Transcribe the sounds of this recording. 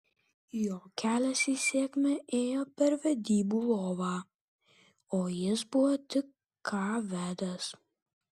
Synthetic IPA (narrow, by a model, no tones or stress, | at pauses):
joːkʲæːlʲɛsiːsʲeːkʲmʲɛʔeːjoːpʲɛɾʋʲɛd̪ʲiːbuːlˠoːʋɑː | oːjɪsbʊʋɔt̪ʲɪkːʰ | ɑːʋʲæːd̪ɐs